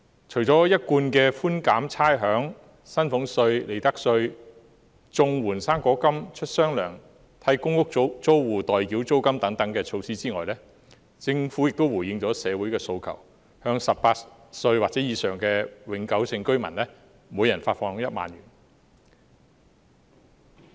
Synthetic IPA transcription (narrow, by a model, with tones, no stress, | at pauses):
t͡ʃʰɵ˨˩ɥt͡sɔː˨˥jɐ˥t̚kuː˧nkɛː˧fuː˥nkaː˨˥mt͡sʰaː˥jɦœː˨˥ŋ | sɐ˥nfʊ˨˥ŋsɵ˧ɥle˨˩jt̪ɐ˥k̚sɵ˧ɥ | t͡sʊ˧ŋwuː˨˩nsaː˥ŋkʷɔː˨˥kɐ˥mt͡ʃʰɵ˥t̚sœː˥ŋlœ̰ː˨˩ŋ | t̪ʰɐ˥jkʊ˥ŋkʊ˥k̚t͡so˥wwuː˨t̪ɔː˨jki˨˥wt͡so˥wkɐ˥mt̪ɐ˨˥ŋt̪ɐ˨˥ŋkɛː˧t͡ʃʰo˧wsiː˥t͡siː˥ŋɔ̰ː˨˩jlɛː˥ | t͡sɪ˧ŋfu˨˥jɪ˨k̚t̪o˥wuː˨˩jɪ˧ŋt͡sɔː˨˥sɛː˨˧wuː˨˥jkɛː˧so˧wkʰɐ̰˨˩w | hœː˨˧ŋsɐ˨p̚paː˧t | sɵ˧ɥwaː˨k̚t͡sɛː˨˥jiː˨˧sœː˨˩ŋkɛː˧wɪ˨˥ŋkɐ˨˥wsɪ˧ŋkɵ˥ɥmɐ̰˨˩nlɛː˥ | muː˨˧jɐ˨˩nfaː˧t̚fɔː˧ŋ˨˥ŋjɐ˥t̚ma̰ː˨njy̰ː˨˩n